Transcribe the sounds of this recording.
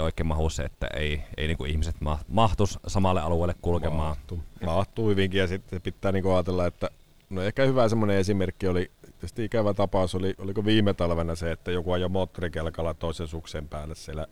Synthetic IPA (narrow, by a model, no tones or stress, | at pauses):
oˑikːˑemɑhusːḛet̪ːæ̰ḛˑiḛˑiniːŋkuihmiset̪mɑmɑht̪ussɑmɑlːeʔɑluwˑeˑilːekkulkemˑɑːumɑht̪uːhyʋiŋkijɑsit̪sepit̪ːæːniŋkuɑːt̪elːɑet̪ːæ | noehkæhyʋæsemːoneesimerkːiolit̪iest̪iikæʋæt̪ɑpɑˑusoliolikoʋiːmet̪ɑlʋenɑseet̪ːæjokuɑjjomoːt̪ːorikelkɑlːɑt̪oˑisensuksempæːlːˑessielːˑæ